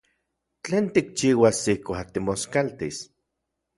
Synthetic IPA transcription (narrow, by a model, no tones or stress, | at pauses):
t͡ɬeːnt̪ik̚t͡ʃiːwasihkʷat̪imoskalt̪is